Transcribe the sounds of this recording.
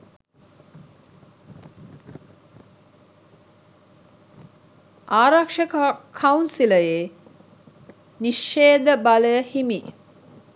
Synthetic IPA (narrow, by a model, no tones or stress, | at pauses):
ʔaːɾakʂəkʰaunsiləje | niʃːeːd̪əbaləəhimi